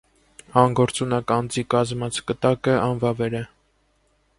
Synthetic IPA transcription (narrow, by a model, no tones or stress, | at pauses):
ɑŋɡɔɾt͡sunɑkɑnd͡zikɑzmɑt͡sʰkət̪ɑkəɑnvɑvɛɾɛ